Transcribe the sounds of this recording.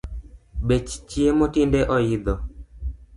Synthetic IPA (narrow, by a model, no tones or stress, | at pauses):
bet͡ʃt͡ʃiemotindeʔɔjid̪ɔ